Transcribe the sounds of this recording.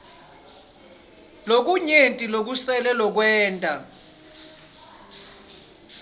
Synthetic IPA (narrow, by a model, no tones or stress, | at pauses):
lok̬uɲentʼilok̬usɛlɛlɔk̬wɛːntʼa